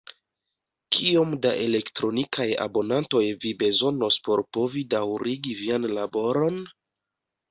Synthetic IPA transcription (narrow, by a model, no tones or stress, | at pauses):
kʰio̞mdaʔe̞le̞ktɾo̞nikʰaja̰bo̞nanto̞jvibe̞zo̞no̞spo̞ɾpo̞vidawɾiɡivianlabo̞ɾo̞n